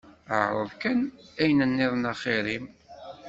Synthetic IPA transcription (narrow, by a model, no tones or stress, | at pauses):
ə̰ʕɾˤə̰ðkənæjnənːɪðˤnɑχɪɾim